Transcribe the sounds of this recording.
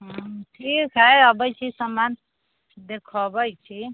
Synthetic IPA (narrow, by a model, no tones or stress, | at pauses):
ɦʈʰikɦəʌbəjt͡ʃʰisəman | d̪ekʰɔbəjt͡ʃʰi